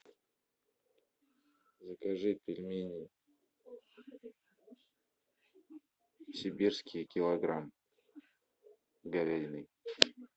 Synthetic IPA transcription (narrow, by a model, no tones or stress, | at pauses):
zəkaʐɨpʲɪlʲmʲenʲi | sʲɪbʲirskʲijkʲɪlˠɐɡɾam | ɡavʲajnɨj